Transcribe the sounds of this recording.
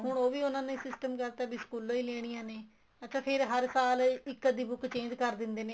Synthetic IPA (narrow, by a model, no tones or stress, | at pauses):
ɦʊɳ̃oːʋiːʊnãːnẽsɪsʈəmkɛɾt̪aːbiːskuːlõːiːleːɽ̃ijãːneː | ətːt͡ʃʰaːpʰɪɾɦəɾsaːlɪkːəd̪iːbʊkt͡ʃẽːd͡ʒkəɾd̪ɪnd̪eːneː